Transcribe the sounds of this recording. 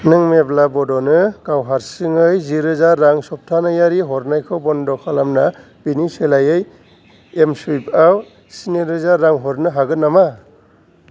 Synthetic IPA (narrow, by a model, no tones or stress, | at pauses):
nɯŋmeblabɔdɔnɯɡawɦaɾsiŋɯjziɾɯzaɾːaŋsɔp̚tʰanajaɾiɦɔɾnajkʰɔbɔndɔkʰalamna | biniselajɯj | emsijpaw | siniɾɯzaɾːaŋɦɔɾnɯɦaɡɯnːama